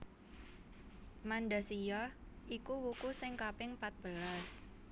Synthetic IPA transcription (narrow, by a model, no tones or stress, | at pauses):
manɖasijɔʔikuwukusɪŋkapɪŋpat̪̚b̥əlas